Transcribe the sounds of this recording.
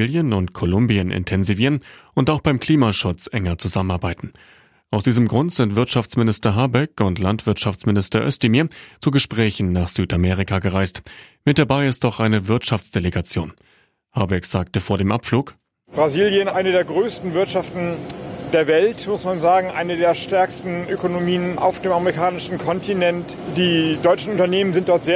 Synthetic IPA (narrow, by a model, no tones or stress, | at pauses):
ljənʊntkʰolʊmbiənʔɪ̰ntʰɛnziviːʁənʔʊntaʊxb̥aɪmkl̥iːmaʃʊt͡sʔɛŋɐt͡suzamənaɐbaɪtn̩ | ʔaʊsd̥iːzəmɡʁʊntz̥ɪntv̥ɪɐtʃaft͡smɪnɪstɐɦabɛkʊntlantv̥ɪɐtʃaft͡smɪnɪstɐʔœ̰stɪmiːɐt͡suɡəʃpʁ̥ɛːçn̩naːχz̥yːtameːʁ̞ikaɡəʁaɪstmɪt̚d̥abaɪɪst̚d̥ɔχʔaɪnəvɪɐtʃaft͡sd̥eleɡat͡sjo̰ːn | haɐbɛkz̥aːktəfoːɐɾeːmʔapfluːk | b̥ʁaziːljənʔaɪnədeːɐɡʁøːstn̩vɪɐtʃaftn̩deːɐvɛltmʊsmanzaːɡŋ̩ʔa̰ɪnədeːɐʃtɛɐkstn̩ʔøkonomiːənʔa̰ʊfd̥eːmaməʁikʰaːnɪʃn̩kʰɔntʰinɛnt | d̥iːdɔʏt͡ʃn̩ʔʊntɐneːmənzɪnt̚d̥ɔɐtz̥eː